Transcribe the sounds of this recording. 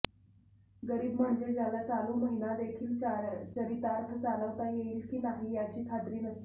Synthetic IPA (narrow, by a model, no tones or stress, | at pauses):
ɡəɾiːbm̤əɳd͡zed͡zalat͡saluːməɦinad̪ekʰiːlt͡ɕəɾit̪aɾt̪ʰət͡saləʋt̪ajeiːlkiːnaɦiːjat͡ɕiːt̪ʰad̪ɾiːnəst̪i